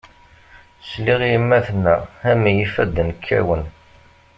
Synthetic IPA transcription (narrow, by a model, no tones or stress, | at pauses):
sliʁiəmːæθnːæhæmijifæd̪ːənəkʰːæ̰wən